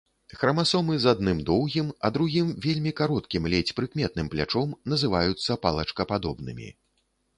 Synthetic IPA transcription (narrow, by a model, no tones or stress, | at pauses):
xɾɐmasɔmɨzad̪̚nɨmd̪ɔwɣʲimɐ̰d̪ɾuɣʲimvʲelʲmʲikaɾɔt̪kʲimlʲɛt͡sʲpɾɨkmʲɛt̪̚nɨmplʲa̰t͡ʂɔmnɐzɨvajut̪sːɐpalˠɐt͡ʂkɐpad̪ɔbnɨ̰mʲḭ